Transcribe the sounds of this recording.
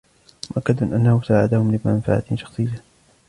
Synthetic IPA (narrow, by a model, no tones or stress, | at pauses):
mʊʔakːad̪mɪnʔanːahʊsaːʕad̪ahʊmlɪmanfa̰ʕa̰t̪ʃɑ̥xsˤɨjːa